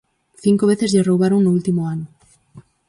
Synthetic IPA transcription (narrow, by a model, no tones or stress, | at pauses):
θiŋkoβ̞eθezʎerowβ̞aɾoŋnoult̪imoano